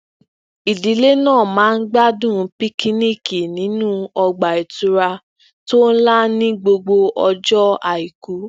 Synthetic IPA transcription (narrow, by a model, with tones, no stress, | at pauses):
i˨di˨˦le˦nãː˦˨mãː˨˦n̩˦ɡ͡ba˦dũ˦˧pi˦ki˦ni˦ki˨nĩ˨˦nũ˦ɔ˧ɡ͡ba˨i˨tu˧˦ɾa˧ | to˦n̩˦la˦nĩ˦ɡ͡bo˧ɡ͡bo˧ʔɔ˧d͡ʒɔ˦a˨i˨ku˨˦